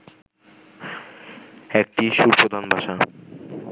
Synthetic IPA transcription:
ek̚ʈiʃuɾpɾod̪ʱanbʱaʃa

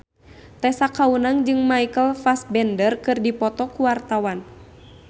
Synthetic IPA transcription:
t̪ɛsakaunaŋd͡ʒɨŋmaikəlfas̚bɛndərkɨrdipɔt̪ɔkuwart̪awan

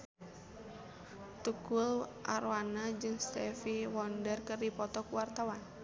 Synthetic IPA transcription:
t̪ukulʔa̰ɾwanad͡ʒɨŋst̪ɛfiwɔndərkɨrdipɔt̪ɔkuwart̪awan

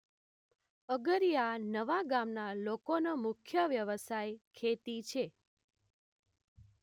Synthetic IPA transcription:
əɡəɾijanəʋaɡamnalokonomʊkʰjəʋjəʋəsajkʰet̪it͡ʃʰe

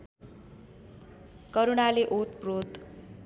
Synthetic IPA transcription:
kʌɾunaleʔot̪̚prod̪

